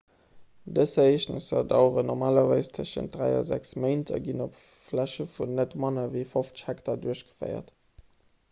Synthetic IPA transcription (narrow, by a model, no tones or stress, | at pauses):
dəsɐiːʃnuŋsɑdɑʊʁənɔʁmaːlɐvaɪstʰəʃə̰nt̚d̥ʁæɪɑ̰zæksməɪntʰɐ̰ɡinop | flæʃəfunːətmɑnəviɪfoft͡sə̥ʃhæktɐduəɕɡ̥ə̥fə̰ɪɐ̰t